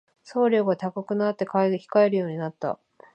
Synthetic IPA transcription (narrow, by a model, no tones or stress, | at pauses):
so̞ːɾʲo̞ːɡat̪akakɯ̟nat̪ːe̞kaeçi̥kae̞ɾɯ̟jo̞ːɲ̟inat̪ːa̰